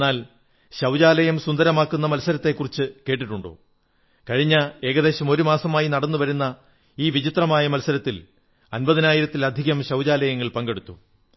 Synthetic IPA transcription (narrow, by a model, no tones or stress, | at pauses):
aːl | ɕɐwd͡ʑaːlɐjɐmsund̪ɐɾɐmaːkːunːɐmɐlsɐɾɐt̪ːe̞kːurit͡ɕːɨke̞ːʈ̬ːiʈːuɳɖo̰ː | kɐɻiɲːɐe̞ːɣɐðe̞ːɕɐmo̞ɾumaːsɐmaːjinɐɽɐnːuʋɐɾunːɐ | iːʋit͡ɕit̪rɐmaːjɐmɐlsɐɾɐt̪ːil | ɐnbɐðinaːjiɾɐt̪ːilɐd̪ʱiɣɐmɕɐwd͡ʑaːlɐjɐŋːɐɭpɐŋɡe̞ɽut̪ːu